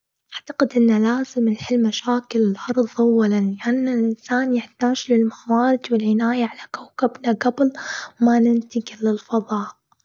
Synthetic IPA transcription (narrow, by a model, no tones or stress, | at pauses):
ʔaʕt̪ḁqɪd̪ʔɪnːalaːzɪmɪlħɪlːmaʃaːkɪlɪlhɑɾˤðˤʔawːalanlɪʔanːalʔɪnsaːnjɪħt̪aːd͡ʒlɪlmaxwaːɾɪd͡ʒwɪlʕɪnaːjaʕalakawkabnaɡablmanɪnt̪ɪɡlɪlfɑðˤɑːʔ